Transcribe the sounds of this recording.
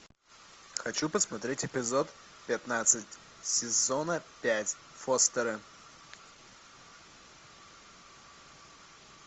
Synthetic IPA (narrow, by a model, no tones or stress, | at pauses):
xɐt͡ɕupəsmɐt̪ɾʲetʲɪpʲɪzot̪ | pʲɪt̪nat̪sɨtʲ | sʲɪzonəpʲætʲ | fost̪əɾɨ